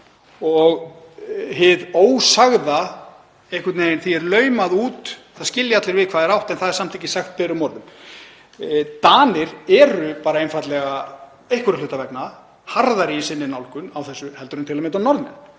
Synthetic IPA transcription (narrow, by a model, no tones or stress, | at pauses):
ɔɣ | ɦɪðoːwsaɣða | ehkʏt̪neːjɪnθiɛɾlœɥmaðuːt̪θaðscɪljaat̪lɪɾvɪðkʰvaːðɛɾawht̪ɛnθaðɛɾsam̥t̪ʰiːcɪsaxt̪̚pɛɾʏmɔɾðʏm | t̪aːnɪɾɛɾʏpaːɾaejnfat̪lɛɣa | ejhkʏɾʏlʏːt̪avɛkna | haɾðaɾisɪnːɪnawlkʏnawθɛsːʏhɛlt̪ʏɾʏnt̪ʰɪlamɛnt̪awnɔɾðnɛn